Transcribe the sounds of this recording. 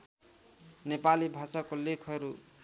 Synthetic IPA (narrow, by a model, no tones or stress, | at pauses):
nepalibʱasakolekʰʌɾu